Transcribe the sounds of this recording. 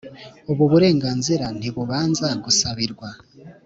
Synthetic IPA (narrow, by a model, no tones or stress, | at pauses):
oβuβuɾe̞ːŋɡaːnziɾan̥iβuβaːnzaɡusaβiɾɡwa